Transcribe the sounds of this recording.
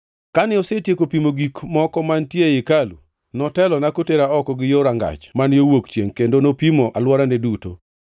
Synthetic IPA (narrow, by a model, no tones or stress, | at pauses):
kanɪɔsetjekopimoɡikmɔkɔmantjejekalṵ | nɔtɛlɔnakoteɾaɔkɔɡɪjoɾaŋɡa̰t͡ʃmanjowokt͡ʃjeŋkendonopimoʔalwɔɾaneduto̰